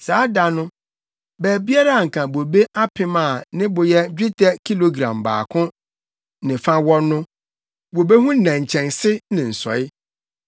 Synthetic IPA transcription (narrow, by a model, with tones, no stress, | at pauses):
saː˨˦da˨nʊ̃˦ | bæ˨bi˦a˦ɾa˦a˨ŋ̩˨kʰã˨bo˨be˦ʔa˦pʰɪ̃˦mã˨nɪ̃˦bʊ˨jɛ˦d͡ʑᶣɪ˦tʰɛ˦kʰi˦lo˨ɡɾã̰˨mba̰ː˨kʰʊ̃˦ | nɪ̃˨fã˦wɔ˦nʊ̃˦ | bo˨be˦hũ˦n̩˦nã˨ɲ̩˨t͡ɕʰɛ̃˨nsɪ˦nɪ̃˨n̩˨sɔ̰˨ɪ˦